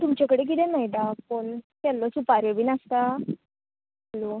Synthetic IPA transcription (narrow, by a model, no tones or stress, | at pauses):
t̪umt͡ɕjakəɽek̬it̪ɛ̃najd̪apəɳkɛlːɔsupaɾʋeʋiːnast̪a | alo